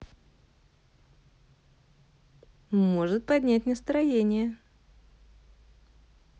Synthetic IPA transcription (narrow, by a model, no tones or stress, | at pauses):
mo̞ʐɨt̪̚pɐdʲnʲæt̚ʲnəst̪ɾɐjenʲɪjə